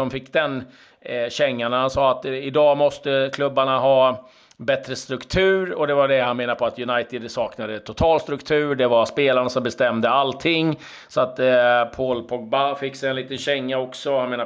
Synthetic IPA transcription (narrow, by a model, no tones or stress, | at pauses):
ɔmfɪkːd̪ɛn | ɕɛŋːaɳahansɑːat̪ɪd̪ɑːmɔst̪əkʰlɵbːaɳaɦɑː | bɛt̪ɾəst̪ɾɵkt̪ʰʉ̟ːɾɔd̪ɛvaɖɛhanmeːnaɾpʰɔat̪jɵnajt̪ɪd̪sɑːknad̪ət̪ʰʊt̪ʰɑːlst̪ɾɵkt̪ʰʉ̟ːɖɛvaspeːlaɾɳasɔmbɛst̪ɛmd̪əalt̪ʰɪŋː | sɔat̪pʰoːlpʰɔɡ̚bafɪkːsɛɛnliːt̪ənɕɛŋːaɔksɔhanmeːna